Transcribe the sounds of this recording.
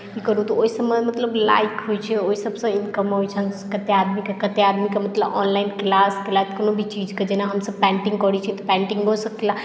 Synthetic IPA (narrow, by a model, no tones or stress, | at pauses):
kikəɾut̪ɔoisəbməmət̪ləbla̰ikɦojt͡ʃʰɛoisəbsɐ̃inkəmɦojt͡ʃʰənkət̪ead̪mikekət̪ead̪mikemət̪ləbɔ̰nlainklasklat̪konobʱit͡ʃid͡ʒked͡ʒenaɦəmsəb̚pɛ̃ɳʈĩŋɡkəɽit͡ʃʰit̪ɔpɛ̃ɳʈiŋɡɦosəkila